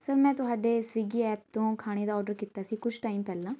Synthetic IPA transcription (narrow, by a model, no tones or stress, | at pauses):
səɾmɛ̃ːt̪ʊɦaːɖeːsʋiːɡiːɛːp̚t̪õːkʰaːɽ̃eːd̪aːɔːɖəɾkiːt̪aːsiːkʊt͡ʃʰʈaːiːmpɛːlãː